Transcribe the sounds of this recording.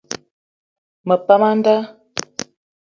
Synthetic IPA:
mə˨pa˦ma˦n˦da˦

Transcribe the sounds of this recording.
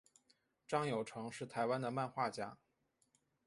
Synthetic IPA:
ʈ͡ʂɑ˥˩ŋjo˨˩ʊʈ͡ʂʰɤ˧˥ŋʂɻ̩˥˩t̪ʰa˧˥ɪwa˥nd̪ə˨ma˥˧nxwa˥˩t͡ɕja̰˥

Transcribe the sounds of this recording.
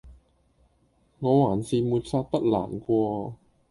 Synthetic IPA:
ŋɔː˨˧waː˨˩nsiː˨˧muː˨˧t̚saː˧t̚p̪ɐ˥t̚la̰ː˨˩nkʷɔː˧

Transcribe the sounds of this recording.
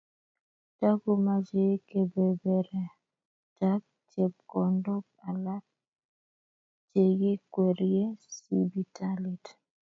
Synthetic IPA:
ta˦ɡu˦ma˨d͡ʒe˨˦ke˨be˨be˨ɾɛ˨ | ta˦k̚t͡ʃe˨p̚kɔ˨ndʊ˦p̚a˨la˦t̚ | t͡ʃe˨ɡi˦kwe˨ɾje˦si˦bi˦ta˦lɪ˨t

